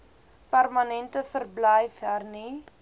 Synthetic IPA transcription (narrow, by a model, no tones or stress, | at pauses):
pærmɐnɛntəfərblɛjfɦærni